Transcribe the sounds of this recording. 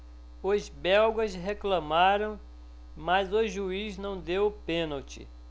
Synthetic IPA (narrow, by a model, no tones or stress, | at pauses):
ozbɛwɡɐsɦeklɐ̃maɾɐ̃w̃ | mɐzʊʒuiznɐ̃w̃d̪ewpẽnɐwt͡ʃɪ̰